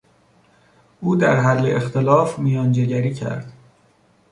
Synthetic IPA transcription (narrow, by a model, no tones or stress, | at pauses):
ʔuːd̪æɾɦælːeʔext̪ʰelɒːfmijɒːnd͡ʒe̞ɟæɾiːcʰæ̰ɾd̪̥